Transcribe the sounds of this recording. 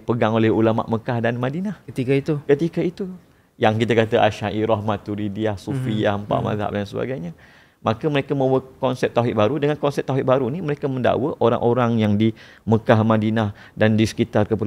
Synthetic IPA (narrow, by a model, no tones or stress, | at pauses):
pəɡaŋolɛhulama̰ʔməkahdanmãdinahkət̪ikəit̪ukət̪ikəit̪u | jaŋkit̪akat̪əʔa̰ʃaiɾɔɦmat̪ːuɾidiahsufiahəmpa̰ʔma̰za̰ʔ̚dansəba̰ɡajɲa | makəməɾekamãwəkɔnsɛp̚t̪awɦɪʔ̚baɾudəŋankɔnsɛp̚t̪aɦɪʔ̚baɾuniməɾekamənda̰wəʔoɾa̰ŋʔoɾaŋjaŋdi | məkahmãdinah | dandisə̥kit̪arkəpəl